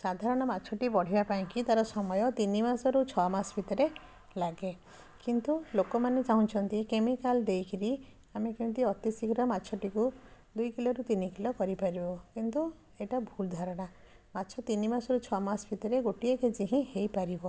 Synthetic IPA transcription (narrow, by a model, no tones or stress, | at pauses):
sad̪ʱaɾɔɽ̃ɔmatːt͡ʃʰɔʈipɔɽ̤ibapaĩkit̪aɾɔsɔmɔjɔt̪inimasɔɾut͡ʃʰɔamasbʱit̪ɔɾe | laɡe | kint̪ulokɔmanet͡ʃaɦũt͡ʃʰɔnt̪ikemikald̪ejkʰiɾi | amekew̃nt̪iɔt̪isikɾɔmatːʃʰɔʈiku | d̪ujkilɔɾut̪inikilɔkɔɾipaɾibɔkint̪u | eʈabʱuld̪ʱaɾɔɽ̃a | matːt͡ʃʰɔt̪inimasɔɾut͡ʃʰɔamasbʰʱit̪ɔɾeɡoʈieked͡ʒiɦĩhejpaɾibɔ